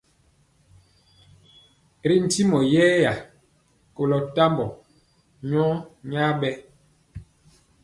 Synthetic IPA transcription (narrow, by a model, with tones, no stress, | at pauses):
ɾi˦n̩˨ti˦mɔ˨jɛ˦ja˨ | ko˨lɔ˨ta˦mbɔ˨ | ɲɔ˦ɲa˦ɓɛ˦